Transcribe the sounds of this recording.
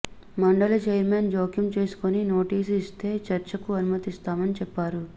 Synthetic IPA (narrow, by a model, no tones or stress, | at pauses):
mɐɳɖɐlɐd͡ʒejɾmeːnd͡ʒoːkjumt͡ʃe̞ːsu̥konino̞ːʈiːsist̪e̞ːt͡ʃɐɾt͡ʃɐkuɐnumɐt̪ist̪aːmɐnit͡ʃɛpːaːɾu